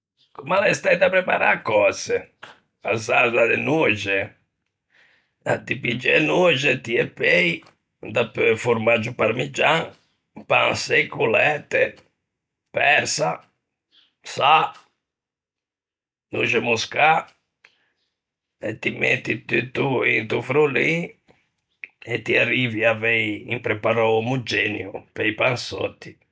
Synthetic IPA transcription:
kumalast̪ajd̪apɾɛpa̰ɾa̰kːɔsɛ | azaɾd̪ad̪ɛnuʒɛ | a̰t̪ipid͡ʒɛnud͡ʒɛt̪iɛpej | d̪apøfuɾmad͡ʒupaɾmid͡ʒaŋ | pansejkulɛt̪ɛ | pɛɾsa | sa | nṵʒemuska | et̪imɛ̰t̪ːit̪yt̪ːuint̪ufɾuli | et̪ːiariviavɛjḭmpɾepaɾɔmud͡ʒɛnjṵpɛjpansɔ̰t̪ːi

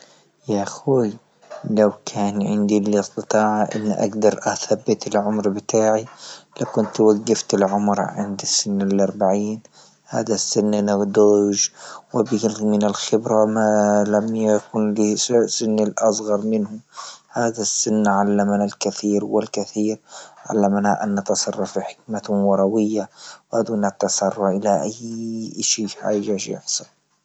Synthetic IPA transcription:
jaʔxuːj | lawkʰaːnʕɪnd̪ilɪst̪ɨt̪ˤɑːʕaʔɪ̰nːʔa̰ɡd̪ɑɾˤʔaθabːɪt̪ɪlʕʊmɾbɪt̪ʰaːʕilakʊnt̪waɡːaft̪ɪlʕʊmɾʕɪ̰nd̪ɪsːɪnːɪlʔɑɾˤbaʕiːn | ha̰ːðasːɪnːʔɪnad̪oːʒwɪbɪlmɪnɪlxɪbɾamalamjakʊnlisɪnːɪlʔɑsˤɣɑɾˤmɪnhʊmhaːðasːɪnːʕalːamnalkaθiːɾwɪlkaθiːɾʕa̰lːamnaʔa̰nːɑt̪ɑsˤɑrˤːɑfiħɪ̥k̚matwɑɾˤɑwɪjːawʔad̪uːnat̪ːɑsˤɑrˤːɑʔɪlaʔajːʔaʃiːħa̰ːʒaʃjɪ̰ħsˤɑl

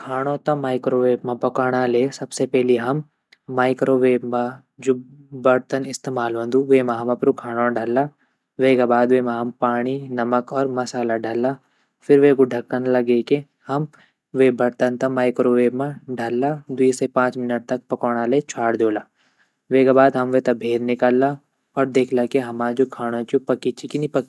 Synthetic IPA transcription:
kʰaːɽ̃õt̪ɐmaːɪkɾoʋeːbmãpɐkaːɽ̃alesɐbsepɛɦliɦɐmː | aːɪkɾoːʋeːbmã | d͡ʒʊbɐɾt̪ənɪst̪eːmaːlʋɐ̃nd̪uʋeːmãɦɐmɐpɾukʰaːɽ̃õɖʱɐlːa | ʋeːɡabaːd̪ʋeːmãɦɐmpaːɽ̃inɐməkɔːɾmɐsaːlaɖʱɐlːa | fʰɪɾʋeɡʊɖʱɐkːənlɐɡeke | hɐm | ʋebɐɾt̪ənt̪ɐmaːjkɾoʋemaɖʱɐlːad̪iːsepãːt͡ʃmɪnəʈ̚t̪ɐk̚pɐkɔːɽ̃alet͡ʃʰaːɽd̪oːlaː | ʋeːɡabaːd̪ɦɐmʋet̪ɐbʱeːɾnɪkaːlːa | ɔːɾd̪eːkʰlakeɦɐmãd͡ʒoːkʰaːɽ̃õt͡ʃupɐkːit͡ʃikinĩpɐki

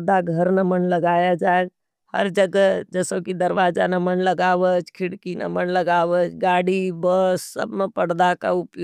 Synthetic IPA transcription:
d̪aɡʱəɾnəmənləɡajad͡ʒa | hə̰ɾd͡ʒəɡəd͡ʒəsokid̪əɾʋad͡ʒanamənləɡaʋət͡ʃkʰiɽkina̰mənləɡaʋət͡ʃɡaɽibəsːə̰bmepəɽd̪aka̰upl

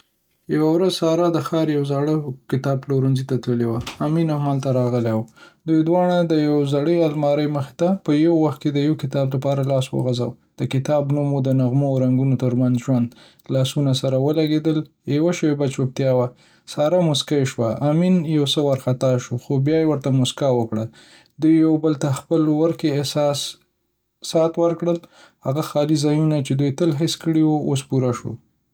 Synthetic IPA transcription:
jawawɾazsɑɾad̪əxɑɾjawzaɽəkɪt̪ɑb̚ploɾənzit̪at̪ləlewaaminamɑnt̪aɾɑɣəlewd̪ujd̪wɑɽ̃ad̪əjawzaɽəalmɑɾəjməxɪ̥t̪apəjawwaxt̪̚ked̪əjawkɪt̪ɑblapɑɾalɑswə̰ɣaza̰w | d̪̥əkɪt̪ɑbnumod̪ənaɣmoawɾaŋɡunot̪əɾmanzʒwand̪ | lɑsunasaɾawəlaɡed̪əl | jewaʃəwebat͡ʃop̚t̪jɑwa | sɑɾamʊskajeʃwaʔaminjawsəwaɾxat̪ɑʃoxobjɑjewəɾt̪amʊskawəkɽa | d̪ujːawbəlt̪axpəlwəɾkesɑs | sɑt̪wəɾkɽəl | ha̰ɣaxɑlizɑjunat͡ʃed̪ujt̪əlɦɪskəɽiwoos̬puɾaʃo̰

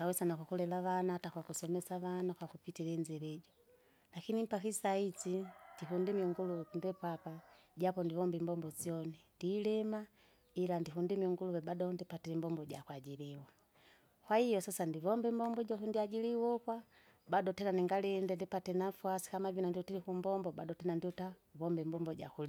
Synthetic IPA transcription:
awɛsanakwakulɛlaʋanatakwakusɔmɛsaʋanakwakupitilɛnd͡ʒɛɾɛɟɔ | lakinim̩pakisait͡sindiɦundimiuŋɡuluwɛkundɛpapa | ɟapɔndivɔmbɛmbɔmbɔziɔnindilɛma | ilandiɦundimiuŋɡuluwɛbadɔndipatilɛmbɔmbɔɟakwaɟiliwa | kwahijɔsasandivɔmbɛmbɔmbɔɟɔkundiaɟiliwɔkwa | badɔtɛnaniŋɡalɛndɛndipatɛnafuasi̥kamavunandiɔtilikumbɔmbɔbadɔtɛnandiɔtavɔmbɛmbɔmbɔɟa̰kuli

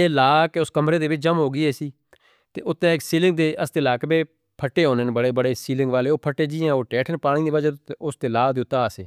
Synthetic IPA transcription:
eːlaːkeʊskəmɾeːd̪eːʋɪt͡ʃd͡ʒəmɦoːɡɪːɛːsiː | t̪ḛːʔʊt̪ːɛ̃ːɪksiːlɪ̃ŋɡ̚d̪eːʔəst̪eːlaːkbeː | pʰəʈːeːɦoːneːnbəɽeːbəɽeːsiːlɪ̃ŋɡʋaːleːoːpʰəʈːeːd͡ʒiːɛ̃ːoːʈɛːʈʰənpaːɽ̃iːd̪eːad͡ʒaʊst̪eːlaːd̪eːʊt̪ːãːəsḛː

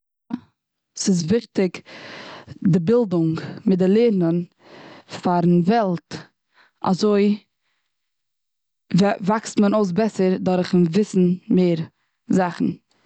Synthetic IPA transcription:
sɪs̬vɪχtɪk | dɪbɪlˠdʊŋmɪtdɪlˠeːɾnən | faɾnvɛlˠt | a̰zoɪ | vvakstmənoʊs̬bɛsəɾdaɾχn̩vɪsn̩meːɾ | zaχn̩

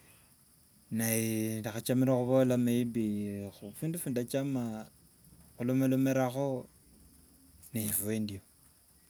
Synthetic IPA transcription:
najindixat͡ʃamiɾaxuβolameibixufiːndufuːndat͡ʃama | xulomelomeɾaxo̞ | nefuendio

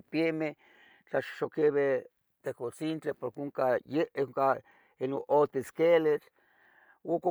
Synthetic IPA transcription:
pjeme | t͡ɬaʃʃokeβe | t̪ekot͡sint͡ɬepoɾkeuŋkajeŋka | enoʔot̪eskelet͡ɬ | oko

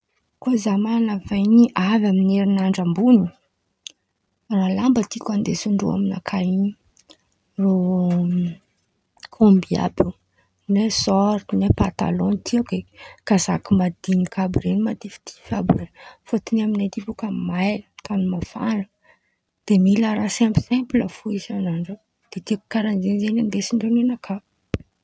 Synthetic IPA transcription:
kozamanavajniʔavamineɾinaɳɖ͡ʐambuni | ralambət̪ikʲand̪esuɳɖ͡ʐṵa̰mina̰kʰaini | ro | kʰombia̰bi | nesɔɾt̪nepat̪a̰lɔ̃nt̪ʰiakekaza̰kimad̪inikʰabɾenmad̪ifi̥t̪ʰi̥fabrenfot̪inaminet̪ipukəmajlt̪ʰanumafalə | d̪̥emilaɾasɛmpi̥sɛmpləfuizanaɳɖ͡ʐə | d̪̥et̪ikkːaɾand͡ʒenzenand̪esiɳɖ͡ʐenenakʰab

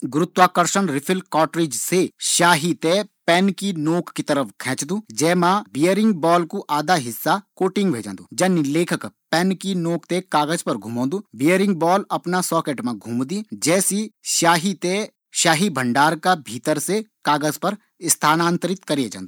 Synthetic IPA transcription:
ɡʊɾʊt̪waːkəɾʃənɾɪpʰɪlkɔːʈɾeːd͡ʒseʃaːɦit̪epɛːnkinoːkkit̪əɾəfʰkʰɛ̃ːt͡ʃd̪uːd͡ʒɛːmãːbijəɾɪ̃ŋɡ̚bɔːlkuʔaːd̪aɦɪsːakoːʈɪ̃ŋɡbʱeːd͡ʒã̰ːnd̪ṵːd͡ʒɐnileːkʰəkpɛːnkinoːkʰt̪ekaːɡəzpɐɾɡʱũːmõːnd̪uːbijəɾɪ̃ŋɡbɔːlɐpnasɔːkeːʈmãɡʱuːmd̪id͡ʒɛːsiʃaːɦit̪e | ʃaːɦibʱə̃ɳɖaːɾkabʱiːt̪əɾsekaːɡəzpəɾ | st̪ʰaːnãːnt̪əɾɪt̪kɐɾied͡ʒã̰ːnd̪u

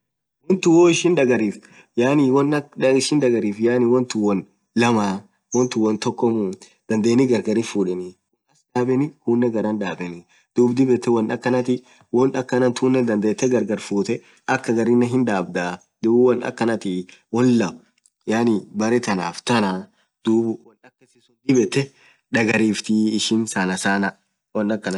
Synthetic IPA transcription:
wɔnt̪ʊwɔɪʃɪnᶑɐɡɐɾiːf | jaːniwɔnɐɐɪʃɪnᶑɐɡɐɾiːfjaːnɪwɔnt̪ʊwɔn | lɐmaː | wɔnt̪ʊwɔnt̪ɔkːɔmu | d̪̥ɐnd̪eːnɪɡɐɾɡɐɾɪfuːᶑɛnɪwɔnɐsᶑaːbɛnɪhuːnːɛɡɐɾɐnᶑaːbɛnɪ | d̪̥uːbd̪ɪbɛt̪ːɛwɔnɐkːɐnɐt̪ɪ | wɔnɐkːɐnɐnt̪ʰuːnːɛd̪ɐnd̪eːt̪ːɛɡɐɾɡɐɾfuːt̪ɛ | ʔɐkːɐɡɐɾɪnːɛɦɪnd̪aːbd̪a | d̪̥uːbʊwɔnɐ̰kːɐnɐt̪ɪwɔnlɐʔʊ | jaːnɪbɐɾɛt̪ɐna̰ːft̪ɐna | d̪̥uːbʊwɐnɐkːɐsɪsʊnd̪ɪbɛt̪ːɛ | ᶑɐɡɐɾiːft̪iɪʃɪnsanɐsaːnɐ | wɔnːɐkːɐn

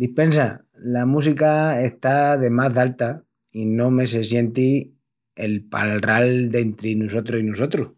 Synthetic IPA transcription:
d̪ipe̞nsa | lamũs̬ikae̞ht̪aðe̞maðalt̪a | inõ̞me̞s̬e̞sje̞nt̪i | e̞lpa̰lrald̪e̞nt̪ɾinuso̞t̪ɾosinuso̞t̪ɾo

